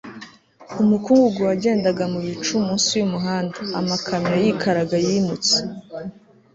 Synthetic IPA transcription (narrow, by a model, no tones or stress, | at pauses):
umukuːŋɡuɡuwaɟe̞ːndaɡamuβit͡ʃumuːnsijumuɦaːndaːmakʰamɲajikʰaɾaɡajimut͡se̥